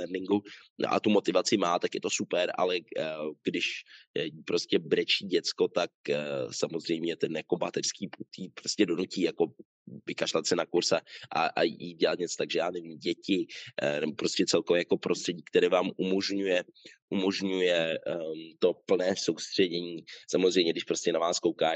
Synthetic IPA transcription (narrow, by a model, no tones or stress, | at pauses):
ɛɾnɪŋɡṵʔa̰t̪umo̞t̪ɪvat͡sɪmaːt̪akjɛt̪osupɛɾʔa̰lɛɡdɪʃjipɾo̞scɛbɾɛt͡ʃiːɟɛt͡sko̞t̪ak̚samozr̝ɛjmɲɛt̪ɛnjako̞bat̪ɛrskiːput̪iːpɾoscɛdo̞nuciːjako̞ | vɪkaʃlat̪sɪnakuɾsaʔa̰ʔa̰jḭɟɛlat̪ɲɛt͡sot̪aɡʒɛjaːnɛviːmɟɛcɪnɛbopɾo̞scɛt͡sɛlkovɛːjako̞pɾʔost̪r̥ɛɟiːk̚t̪ɛɾɛːvaːmʔumo̞ʒɲujɛʔumo̞ʒɲujɛ | t̪o̞pl̩nɛːsowst̪r̝̥ɛɟɛɲiːsamozr̝ɛjmɲɛɡdɪʃpɾo̞scɛnavaːskowkaː